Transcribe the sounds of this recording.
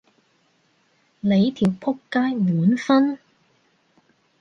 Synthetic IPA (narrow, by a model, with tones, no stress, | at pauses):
le˨˧jt̪ʰiː˨˩wpʰʊ˥kːaː˥jmuː˨˥nfɐ˥n